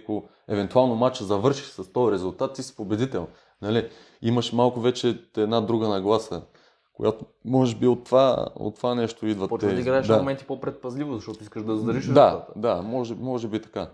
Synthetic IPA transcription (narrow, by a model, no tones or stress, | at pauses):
ko | ɛvɛnt̪ualˠnomat͡ʃzɐvɤɾʃiʃsɐst̪ɔjɾɛzulˠt̪at̪ːisi̥pobɛd̪it̪ɛlˠ | nɐli | imɐʃmalˠkʊvɛt͡ʃɛt̪ɛd̪nad̪ɾuɡənɐɡlˠasə̰ | ko̰jat̪omɔʒɛbiot̪ːva̰o̰t̪ːvanɛʃt̪oid̪vət̪ːɛiɡɾaɛʃaamɛnt̪i̥popɾɛt̪̚pɐzlʲivʊzɐʃt̪ɔt̪ʊiskəʃd̪ɐzd̪ɐɾiʃnɛd̪aad̪amɔʒɛbmɔʒɛbit̪ɐ̥ka